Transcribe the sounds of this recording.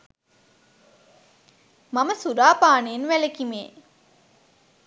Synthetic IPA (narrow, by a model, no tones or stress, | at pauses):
maməsuɾaːpaːneːnʋælekimeː